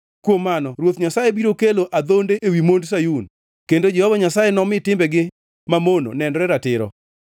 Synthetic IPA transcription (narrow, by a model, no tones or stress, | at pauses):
kwomːanɔɾwot̪ɲasajebiɾokeloʔad̪ondeʔewimonds̬ajun | kendod͡ʒɛhɔvaɲasajenɔmɪtɪmbɛɡɪ | mamono̰nɛndɾɛɾatɪɾɔ̰